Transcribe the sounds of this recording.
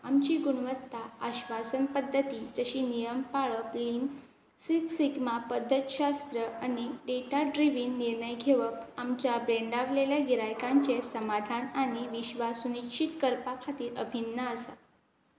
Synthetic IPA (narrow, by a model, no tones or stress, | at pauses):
amt͡ɕiːɡuɽʋət̪ːaəɕʋasənpəd̪ʱːət̪iːt̪əɕiːnijəmpaɭəpliːn | sit̪siɡmapəd̪ʱːət̪ɕast̪ɾəañiɖeʈaɖɾiʋinːiɾɳəjɡʱeʋəp̚amt͡ɕjabɾeɳɖaʋleljaɡiɾajkãɲt͡ɕesəmad̪ʱanaɽ̃iʋiɕʋasunikɕit̪kəɾpakʰat̪iːɾə̰bʱinːəəsa